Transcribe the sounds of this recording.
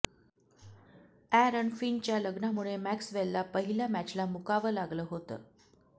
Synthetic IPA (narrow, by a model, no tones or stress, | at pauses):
æɾəɳfint͡ɕjaləɡɳamuɭemæksʋelːapəɦilamæt͡ɕlamukaʋəlaɡləːɦot̪ə̰ː